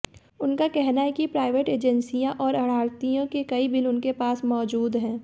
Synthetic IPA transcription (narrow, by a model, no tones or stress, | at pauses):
ʊnkakɛɦnaɦɛkipɾaːɪʋeːʈeːd͡ʒɛ̃nsijãʔɔːɾɐɽ̤aːɾt̪ijõkekɐibɪlʊnkepaːsmɔːd͡ʒuːd̪ɦɛ̃ː